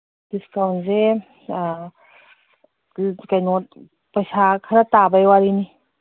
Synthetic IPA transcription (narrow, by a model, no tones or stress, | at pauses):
d̥iskawnze | kajŋɔt̚ | pajsakʰaɾat̪abajwaɾini